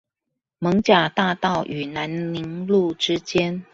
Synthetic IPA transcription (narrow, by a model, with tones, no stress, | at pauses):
mɤ˧˥ŋt͡ɕja˨˩t̪a˥˧t̪ɑ˥˩ʊʔy˨˩na˧˥nni˧˥ŋlu˥˨ʈ͡ʂɻ̩˥t͡ɕjɛ˥n